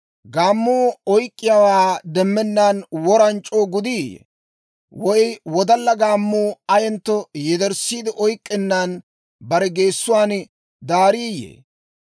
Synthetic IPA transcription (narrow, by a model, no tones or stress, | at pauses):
ɡaːmːuːɔjkʼːɪjawaːd̪ɛmːɛnːaːnwɔɾɐnt͡ʃʼːoːɡʊd̪iːjɛ̰ | wɔjwɔd̪ɐlːɐɡaːmːuːɐjɛnt̪ːɔjɛd̪ɛɾsːiːd̪ɪʔɔjkʼːɪnːan | bɐɾɛɡeːsːʊwaːn | d̪aːɾiːjḛː